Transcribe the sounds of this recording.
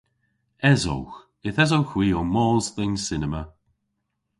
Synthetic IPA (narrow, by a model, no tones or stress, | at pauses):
ɛzo̰wx | ɪθɛzowxwiːɔmɔːzðɛnsɪnəmə